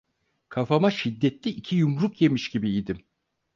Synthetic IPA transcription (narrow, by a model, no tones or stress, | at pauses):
kʰafamaʃid̪ːɛt̪lʲiʔicʰijumɾukje̞miʃɟibiːd̪im